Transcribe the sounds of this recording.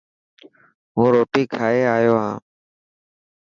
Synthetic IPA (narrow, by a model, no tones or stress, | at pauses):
ɦũːɾoːʈiːkʰaːeːaːjoːɦãː